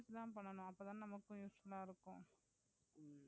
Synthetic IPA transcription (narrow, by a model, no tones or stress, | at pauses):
slãːpɐɳːɐnʊ̃ɐpːoːt̪ãːnnɐmɐkːʊ̃juːsfɐlaːɪɾɯkːʊ̃